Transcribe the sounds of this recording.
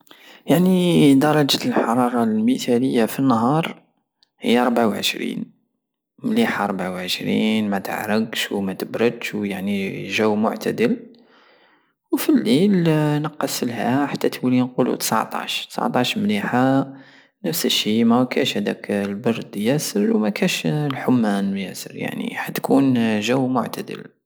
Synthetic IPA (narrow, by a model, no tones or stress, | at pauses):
jaʕnid̪ɑɾˤɑd͡ʒæt̪lħɑɾˤɑɾˤɑlmit̪æləjːafinːɦɑɾˤ | hə̰jːaɾˤbʕawʕə̰ʃɾḭn | mliħaɾˤbʕawʕəʃɾḭnmæt̪ə̰ʕɾəɡʃwmæt̪əbɾəd̪ʃwjaʕniʒæwmʊ̰ʕt̪æ̰d̪əl | wfilːilnəqːɑsəlhæħat̪ːæt̪wilinqulṵt̪ə̥sʕt̪ˤɑ̰ʃt̪ə̥sʕt̪ˤɑʃmliħa | nəfsəʃimækænʃhæd̪æ̰klbɑɾˤd̪jæsəɾwmækænʃlħʊmːænjæsə̰ɾja̰ʕnḭħat̪ːkʰunʒəwːmʊʕt̪æd̪ə̰l